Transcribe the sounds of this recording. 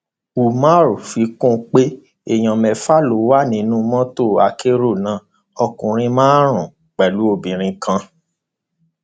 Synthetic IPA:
u˨mã˦ɾo˨fi˧˦kũ˦˨k͡pe˦ | e˦˨j̃ɔ̃˨mɛ˨fa˦lo˨˦wa˦nĩ˨˦nũ˦mɔ̃˦to˦˨a˧ke˦ɾo˦˨nã˨˦ | ɔ˧kũ˨ɾ̃ĩ˧mãː˦ɾ̃ũ˨ | k͡pɛ˨lu˨˦o˧˨bĩ˨ɾ̃ĩ˧kʰã˧

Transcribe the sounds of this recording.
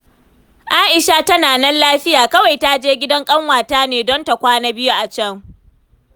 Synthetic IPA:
ʔaː˦ʔɪ˨ʃa˦tɐ˦naː˨nɛ˦nlaː˦ɸɪ˦jaː˨kɐ˦wa˨jta˦d͡ʒeː˦ɡʲɪ˦dɐ˦ŋkʼɐ˦ŋwaː˨taː˦neː˨dɔ˦nta˨kʷaː˦na˦bɪ˦ju˦ʔa˨t͡ʃɛ˦˨ŋ

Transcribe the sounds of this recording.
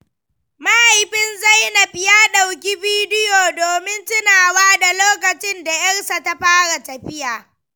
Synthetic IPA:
ma˦ha˨jɸɪ˦nza˦jna˨ɸɪ˦jaː˦ɗa˨wk̬ʲi˦biː˦dɪ˦joː˨doː˨mɪ˦ntʊ˦naː˨waː˦da˨loː˦kɐ˨t͡ʃɪ˦nda˨jɐ˦rsa˨ta˦ɸaː˦ɽa˨tɐ˨ɸɪ˦jaː˨

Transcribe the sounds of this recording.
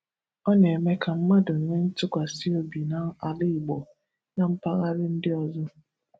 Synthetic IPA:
ɔ˦ɲe˨e˨me˦ka˨m̩˦ma˦dʊ˨ŋ̩˨ɲe˦n̩˦tʊ˦kʷa˨si˦o˦bi˨na˨˦a˨lɪ˦i˨ɡ͡bo˨ | na˨m̩˦pa˦ɣa˦ɾɪ˦n̩˦dɪ˦ɔ˨zʊ˦

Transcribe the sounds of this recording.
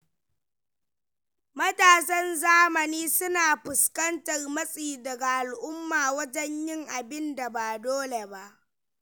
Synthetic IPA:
mɐ˦taː˨sɐ˦nzaː˦mɐ˨niː˦sʊ˦naː˨ɸʊ˨skɐ˦ntɐ˨rmɐ˦sʼiː˨dɐ˨ɡa˨ʔa˨lʔʊ˦mːaː˨wɐ˦d͡ʒɛ˦ɲjɪ˦ŋʔa˨bɪ˦nda˨baː˨doː˦le˨ba˦˨ʔ

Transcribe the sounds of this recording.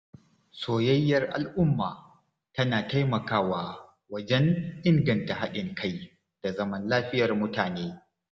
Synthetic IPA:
soː˨jɐ˦jːɐ˦rʔa̰˨lʔʊ˦mːaː˨ | tɐ˦naː˨ta˦jmɐ˨kaː˦waː˨ | wɐ˦d͡ʒɛ˦ŋʔɪ˦ŋɡɐ˨nta˨ɦa˦ɗɪ˨ŋkʰa˦j | d̥a˨zɐ˦mɐ˦nlaː˦ɸɪ˦jɐ˨rmʊ˦taː˨neː˦

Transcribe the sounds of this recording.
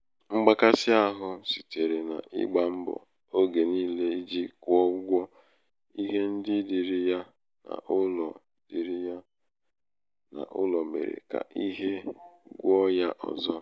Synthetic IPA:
ŋ͡m̩˦ɡ͡ba˦ka˦sɪ˦a˦ɦʊ˦si̥˨te˨ɾe˨na̰˨ʔɪ̰˦ɡ͡ba˨m̩˦bʊ̰˨ | o˦ɡe˨niː˦le˦i˦d͡ʒi˦kʷɔ˦ɡʷɔ˦ | i˦ɦe˦n̩˦dɪ˦di˨ɾi˦ja˦ | na̰˨ʔʊ˦lɔ˨ | d̥i˨ɾi˦ja˦ | na̰˨ʔʊ˦lɔ˨mḛ˨ɾḛ˨ka̰˨ʔi˦ɦe˦ɡʷɔ˦ja˦ʔɔ̰˨zɔ˦

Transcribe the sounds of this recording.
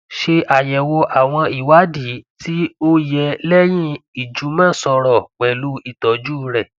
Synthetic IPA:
ʃe˧ʔa˨jɛ˨wo˧ʔa˨w̃ɔ̃˧i˨wa˨˦di˨˦tʰi˦o˦jɛ˧lɛ˦j̃ĩ˦i˨d͡ʒu˨˦mã˦˨sɔ˧ɾɔ˨k͡pɛ˨lu˨˦i˦˨tɔ˨˦d͡ʒuː˦ɾɛ˨

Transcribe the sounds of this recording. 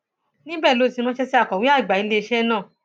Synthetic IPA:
nĩ˦bɛː˦˨lo˧˦˨sĩ˧mɔ̃˦ʃɛ˧si˦a˦˨kɔ̃˨wĩ˦a˦˨i˨ɡ͡ba˨i˧˦le˧ʃɛ˦nãː˦˨

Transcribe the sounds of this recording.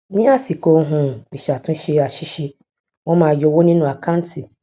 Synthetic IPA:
nĩ˦a˦si˨ko˦ɦũ˦˨mĩ˨ʃa˨tʰũ˦ʃe˦˨a˨ʃi˦ʃi˦ | wɔ̃˦mãː˨jɔ˦wo˦nĩ˦nũ˨a˨kʰã˦n˦tʰi˨

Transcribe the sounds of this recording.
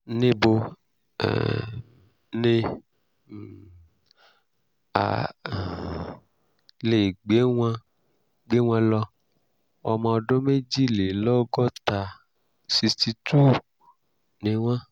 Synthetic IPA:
nẽ˧bo˧ | ɛ̰˨ | nẽ˧˨ | a̰˨ | le˨ɡ͡be˨˦w̃ã˧ | ɡ͡be˨˦w̃ã˧lɔ˧ | ɔ˧mã˧ɔ˧ɖɔ̃˦me˦d͡ʒi˦le˨lɔ˦ɡɔ˦t̪a˨ | si˧sti˧tu˦ | nẽ˨w̃ã˦

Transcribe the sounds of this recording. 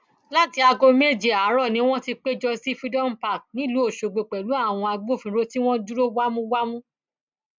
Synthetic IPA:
la˦ti˧a˧ɡo˧me˦˨d͡ʒe˨a˨˦ɾɔ˦˨nĩ˦w̃ɔ̃˦ti˧k͡pe˦d͡ʒɔ˧si˦fi˦dɔ˦˨m̩˨pa˦˨k̚nĩ˦˨lu˨˦o˦˨ʃo˨ɡ͡bo˨k͡pɛ˨lu˨˦a˦˨w̃ɔ̃˧a˧ɡ͡bo˦˨fĩ˧˨ɾo˦ti˦w̃ɔ̃˦du˦ɾo˦wa˦mũ˦wa˦mũ˦

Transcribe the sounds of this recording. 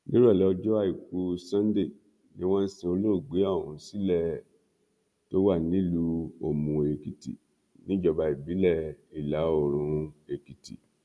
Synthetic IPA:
li˦ɾɔ˦˨lɛ˨˦ɔ˧d͡ʒɔ˦a˦i˦˨ku˧sã˦n˦de˦˨ | nĩ˦w̃ɔ̃˦n̩˦se˧o˧lo˦˨ɡ͡be˨˦ɔ˦˨hũ˨˦si˦lɛ˦˨ | to˦wa˦˨nĩ˦˨lu˦o˨mũ˧e˨ki˨tḭ˨ | nĩ˨˦d͡ʒɔ˧ba˨˧i˨bi˨˦lɛ˦˨i˨la˨˦o˦˨ɾ̃ũ˧e˨ki˨tḭ˨

